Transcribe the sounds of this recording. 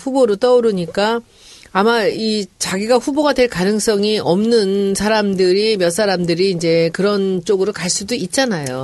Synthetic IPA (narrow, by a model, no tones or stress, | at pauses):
ɸuboɾot͈ʌuɾɯɲik͈aː | mait͡ɕaɡiɡaɸuboɡadwe̞ɭkanɯŋs͈ʌŋiʌmnɯnsʰaɾamdɯɾimjʌts͈ʰaɾamdɯɾiːnd͡ʑe̞kɯɾʌnt͡ɕ͈oɡɯɾokaɭs͈udoit̚t͡ɕ͈anajo